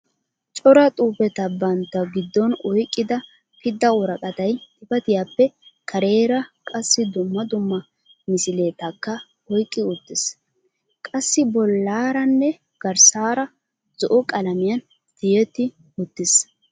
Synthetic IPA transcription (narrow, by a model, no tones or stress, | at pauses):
t͡ʃʼɔɾɐt̪ʼuːpɛt̪ɐbɐnt̪ːɐɡɪd̪ːɔnɔjkʼːɪd̪ɐ | pɪd̪ːɐwɔɾɐkʼɐt̪ɐjt̪ɪpɐt̪ɪjapːɛkʰɐɾe̞ːɾɐkʼɐsːɪd̪ʊmːɐd̪ʊmːɐ | mɪsɪle̞ːt̪ɐkːɐ | ɔjkʼːɪʊt̪ːɪs | kʼɐsːɪbɔlːaːɾɐnːɛ | ɡ̥ɐɾsaːɾɐ | zɔʔɔkʼɐlɐmɪjɐn | d̪̥ɪjɛt̪ːɪ | ʊt̪ːɪs